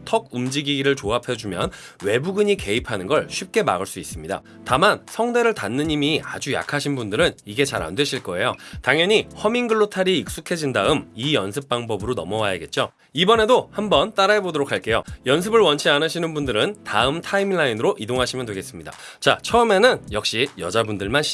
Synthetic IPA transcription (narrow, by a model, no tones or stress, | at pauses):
tʰʌɡ̚umd͡ʑiɡiɡiɾɯɭt͡ɕoapʰed͡ʑumjʌn | we̞buɡɯɲike̞ipʰanɯnɡʌɭɕʰɥip̚k͈e̞ma̰ɡɯɭs͈uis͈ɯmɲida̰ | tamansʰʌŋde̞ɾɯɭtanːɯɲimia̰d͡ʑuja̰kʰaɕʰinbundɯɾɯniɡe̞t͡ɕaɾa̰ndwe̞ɕʰiɭk͈ʌe̞jotaŋjʌɲihʌmiŋɡɯɭːotʰaɾiːk̚s͈ukʰe̞d͡ʑindaɯmijʌns̬ʰɯp̚p͈aŋbʌbɯɾonʌmʌwajaɡe̞t̚t͡ɕ͈o | ibʌne̞dohambʌnt͈aɾaebodoɾokʰaɭk͈e̞jo̰jʌns̬ʰɯbɯɭwʌnt͡ɕʰianɯɕʰinɯnbundɯɾɯntaɯmtʰaimɭːainɯɾoʔidoŋɦaɕʰimjʌndwe̞ɡe̞s͈ɯmɲida̰t͡ɕat͡ɕʰʌɯme̞nɯnjʌk̚ɕ͈ijʌd͡ʑabundɯɭman